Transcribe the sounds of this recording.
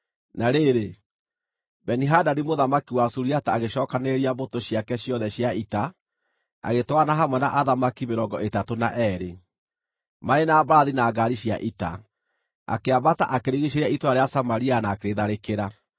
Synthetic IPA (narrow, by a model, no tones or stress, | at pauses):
naɾeɾe | bɛniɦadanimoðamakiwasuɾiataːɣeʃɔːkaneɾiabotoɕiakɛɕjɔðɛɕjaita | a̰ɣetwanaɦamwɛna̰ʔaðamakimeɾɔŋɡɔʔetatonaʔɛɾe | maɾenaːbɾaðinaːɡaɾiɕja̰ʔita̰ | a̰keabataʔakeɾiɣiʃ̬eɾɛitwaɾeasamaɾianakeɾeðaɾekeɾa